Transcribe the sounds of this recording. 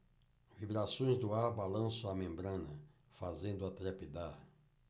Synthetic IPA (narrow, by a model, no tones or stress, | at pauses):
vibɾasõj̃zd̪ʊaɾbalɐ̃sʊamẽmbɾɐ̃nɐ | fazẽnd̪ʊat̪ɾepid̪aɾ